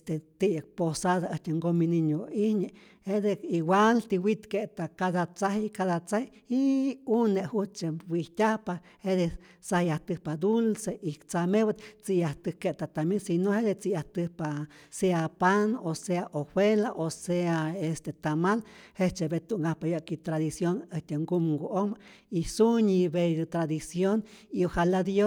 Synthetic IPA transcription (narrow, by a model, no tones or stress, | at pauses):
est̪et̪ijək̚posaðaəht̪eŋɡominiɲoihɲeʔ | hed̪ekiwʷalt̪iwit̪keʔt̪akaðat͡sahikaðat͡sahi | iuneʔhut͡ʃewiht̪ʲahpa | hed̪esahjaht̪ɨhpad̪ulseʔikt͡samewat̪t͡sijaht̪ɨhkeʔt̪at̪amisinohed̪et͡sijaht̪ɨhpaseapanoseaʔohwelaʔoseaest̪et̪amalheht͡ʃebet̪uʔŋɡahpajaʔkit̪ɾaðisjonəht̪ʲeŋɡumŋɡoʔoma | isuɲiβed̪ɨt̪ɾad̪isjoniohalad̪jo